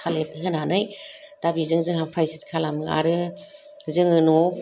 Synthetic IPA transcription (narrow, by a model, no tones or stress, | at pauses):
kʰalet̚ɦɯnanɯjd̥abizɯŋzɯŋhapʰajsit̚kʰalamɯa̰ɾɯ | zɯŋɯno